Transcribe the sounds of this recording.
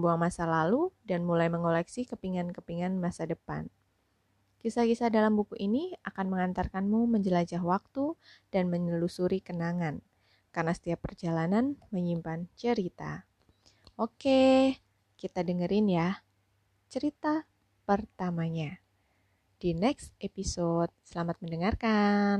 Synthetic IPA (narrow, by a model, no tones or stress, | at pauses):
əmbuaŋmasalaludanmulajməŋolɛksikəpiŋankəpiŋanmasadəpa̰n | kisakisadalambukuʔiniakanməŋant̪arkanmuməɲd͡ʒəlad͡ʒaɦwak̚t̪ud̥anməɲəlusuɾikənaŋan | karnasə̥t̪iapːərd͡ʒalananməɲimpant͡ʃəɾit̪a̰ | ʔoke | kit̪adəŋəɾɪnja | t͡ʃəɾit̪a | pərt̪amaɲa | d̥inɛksepisot̪̚səlamat̪̚məndəŋarkan